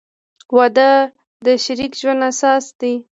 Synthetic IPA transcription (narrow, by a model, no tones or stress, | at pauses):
wɑd̪ə | d̪əʃaɾikʒwand̪asɑsd̪i